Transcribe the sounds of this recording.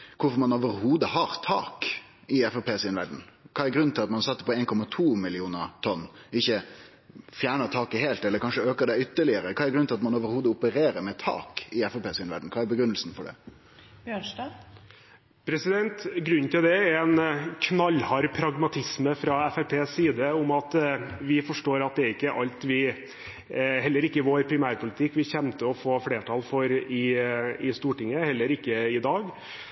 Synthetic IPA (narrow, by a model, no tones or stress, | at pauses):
kʰʊɾfɔɾmɑnoːʋəɾhuːd̪əhɑɾt̪ʰɑ̰ːk | ɪɛfɛpʰeːsɪnʋæɖɳn̩kʰɑːæɾɡɾʉn̩ɪlɑt̪mɑnsɑt̪ːə̥pɔeːnkʰɔmɑt̪ʰuːmɪlɪuːnəɾt̪ʰɔnːɪçːə | fjæːɳət̪ʰɑːkəɦeːlt̪ɛləɾkʰɑnʂəøːkəɖ̪ɛʏt̪ːəɭɪəɾəkʰɑːɛɾɡɾʉnɪlɑt̪mɑnoːʋəɾhuːd̪əʊpəɾeːɾəɾmɛt̪ʰɑ̰ːkɪɛfɛpeːsʉːnʋæ̰ɖn̩kʰɑːæɾbəɡɾʉnːəlsn̩fɔɖɛ̰ | bjøːɳʂdɑ | pʰɾɛsɪd̪ɛnt̪ɡɾʉnːt̪ʰɪld̪ɛɛɾɛnkʰnɑlːhɑɾpʰɾɑɡmɑt̪ʰɪsməfɾɑɛfæpʰeːsːiːd̪əʊmɑt̪ʋɪfɔʂʈoːɾɑt̪̚d̪ɛæɾɪkːəʔɑlt̪ʋɪ | ɦɛlːəɾɪkːəɪʋoːɾpʰɾɪmæːɾpʰʊlɪt̪ʰɪkːʋɪçɛmt̪əɔfoːfleːʈʰɑlfɔɾɪɪst̪uːʈɪŋːəhɛlːəɾɪkːəɪd̪ɑːɡ